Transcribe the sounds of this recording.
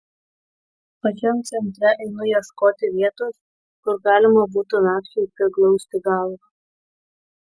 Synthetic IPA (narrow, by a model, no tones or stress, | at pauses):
pɐt͡ʃʲɛmt̪sʲɛnʲt̪ʲɾʲɛʔɛɪnʊjɛskoːt̪ʲɪʋʲiɛt̪oːs | kʊɾɡɑːlʲɪmɐbuːt̪ʊnɑːkt͡ʃʲɛɪpʲɾʲɪklˠɔʊsʲt̪ʲɪɡɑˑlˠʋɐ